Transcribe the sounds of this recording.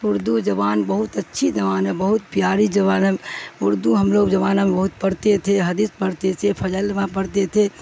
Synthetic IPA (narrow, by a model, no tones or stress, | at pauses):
ʊɾd̪ud͡ʒəbaːnbəɦut̪ətːʃʰid͡ʒəʋaːnebəɦut̪̚pijaːɾid͡ʒəβaːnmʊɾd̪uɦəmloɡd͡ʒəbaːnəmbəɦut̪̚pəɾt̪et̪ʰeɦəd̪ispəɽt̪et̪ʰepʰəd͡ʒəlmapəɾt̪et̪ʰe